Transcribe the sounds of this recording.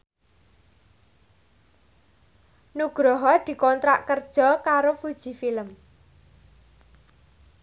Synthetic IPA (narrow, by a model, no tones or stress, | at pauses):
nuɡ̥ɾɔɦɔd̪̥i̤kɔnt̪ɾaʔkərd̥ʒ̥ɔ̤kaɾofud̥ʒ̥i̤filəm